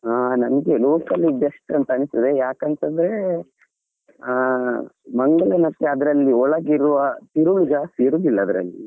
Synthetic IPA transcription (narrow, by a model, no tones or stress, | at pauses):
aːnɐnɐɡe̞loːkɐlibjɐsʈɐnt̪ɐɐnist̪ɐd̪ejaːkɐnt̪ɐnd̪ɐɾe̞ | mɐŋɡɐɭɐnɐkːeɐd̪ɐɾɐlːiɔɭɐɡiɾuʋɐt̪iɾuɭud͡ʒɐseɾubilːɐːd̪ɐɾɐ̰lːḭ